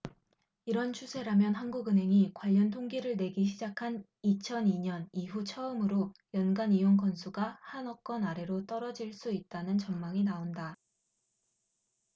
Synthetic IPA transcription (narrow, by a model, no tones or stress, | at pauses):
iɾʌnt͡ɕʰusʰe̞ɾamjʌnɦanɡuɡɯnɦe̞ŋikwaʎːʌntʰoŋɡiɾɯɭne̞ɡiɕ̬ʰid͡ʑakʰan | it͡ɕʰʌniɲʌniɦut͡ɕʰʌɯmɯɾojʌnɡanijoŋkʌnsʰuɡahanʌk̚k͈ʌnaɾe̞ɾot͈ʌɾʌd͡ʑiɭs͈uit̚t͈anɯnt͡ɕʌŋmaŋinaonda